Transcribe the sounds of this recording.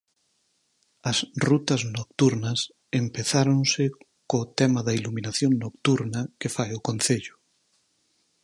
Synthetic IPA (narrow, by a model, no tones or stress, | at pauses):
ɐsrut̪ɐznokt̪uɾnɐs | empeθaɾonsɪ | kot̪ɛmɐðɐiluminaθjoŋnokt̪uɾnɐkefajʊkõn̟θeʎʊ